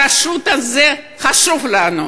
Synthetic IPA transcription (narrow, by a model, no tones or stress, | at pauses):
aʃut̪aze | χaʃuvlanu